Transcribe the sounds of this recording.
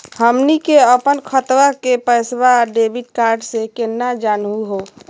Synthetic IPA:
həmnikeəpənkʰət̪wakepəjsbaɖebʱiʈ̚kaɾɖsẽkenːad͡ʒanɦuɦo

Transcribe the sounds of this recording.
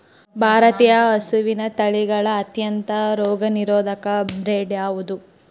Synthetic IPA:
bʱaːɾɐt̪ijɐːsuʋinɐt̪ɐɭiɡɐɭɐːt̪jɐnt̪ɐɾɔːɡɐniɾɔːd̪ʱɐkɐbɾeːɖaːʋud̪u

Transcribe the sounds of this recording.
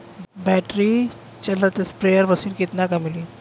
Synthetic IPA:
bɛʈɾi | t͡ʃɐlat̪espɾejəɾʋəsiːlkɪt̪nakamili

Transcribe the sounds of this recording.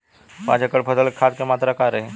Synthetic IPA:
pã̰d͡ʑakəɽpʰəsəlkʰat̪̚kemat̪ɾakaɾəɦe

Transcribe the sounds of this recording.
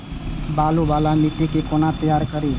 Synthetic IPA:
balubalamiʈikekonat̪əjaɾkəɾi

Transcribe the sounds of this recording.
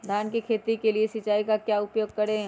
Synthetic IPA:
d̪ʱaːnkikʰeːt̪ikeliesɪt͡ʃaːikakjaːʊpjoːɡ̚kɐɾẽ

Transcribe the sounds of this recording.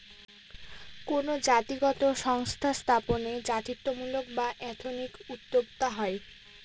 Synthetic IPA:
konod͡ʑat̪iɡɔt̪oʃɔŋst̪ʰast̪ʰaponed͡ʑat̪it̪ːomulok̚baʔɛt̪ʰonikut̪ːob̚t̪aɦɔe

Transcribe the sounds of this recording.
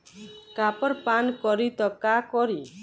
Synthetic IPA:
kapɔɾpankɔɾit̪ɔkakɔɾi

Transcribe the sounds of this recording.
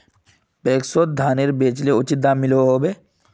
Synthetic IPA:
peːksoːt̪̚d̪ʱaːnɪɾbeːt͡ʃleʊt͡ʃɪt̪d̪aːmɪloɦoːbeː

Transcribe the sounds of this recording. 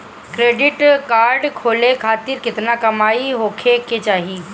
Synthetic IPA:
kɾeːɖɪʈkaːɾɖkʰoːlekʰaːt̪ɪɾkɪt̪nakɐmaːiɦoːkʰeket͡ʃaːɦi

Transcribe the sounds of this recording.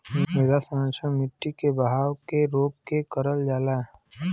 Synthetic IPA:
meɡasənət͡ʃʰəmɪʈːikebəɦaːwkeɾoːk̚kekəɾəld͡ʒaːla

